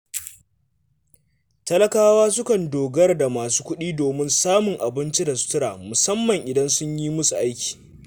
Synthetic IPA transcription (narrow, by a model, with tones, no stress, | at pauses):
tɐ˦lɐ˦kaː˦waː˦s̬ʊ˦kɐ˨ndoː˨ɡɐ˦rda˨maː˨s̬u̥ː˦kʷʊ˦ɗiː˦doː˨mɪ˦nsaː˦mʊ˨ŋʔa˨bɪ˦nt͡ʃi˦da˨su̥˦tʊ˦ɾaː˨mʊ˨sɐ˦mːɐ˨ŋʔɪ˨dɐ˦nsʊ˦ɲjiː˦mʊ˦su˨ʔa˦jkʲi̥ː˨